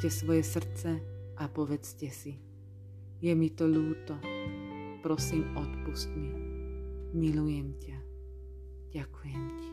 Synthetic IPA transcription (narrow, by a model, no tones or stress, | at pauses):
cɛsʋɔjɛsr̩t͡sɛʔapɔʋɛt͡scɛsi | jɛmit̪ɔʎuːt̪ɔ | pɾɔsiːmɔt̪puscmi | milujɛmca | ɟ̥akujɛmci̥